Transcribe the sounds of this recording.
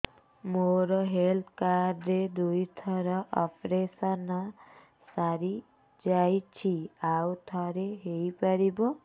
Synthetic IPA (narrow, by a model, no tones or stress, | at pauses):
moɾɔɦelt̪ʰkaɾɖed̪ujt̪ʰɔɾɔʔɔpʰɾesana | saɾi | d͡ʒajt͡ʃʰiawt̪ʰɔɾeɦejpaɾibɔ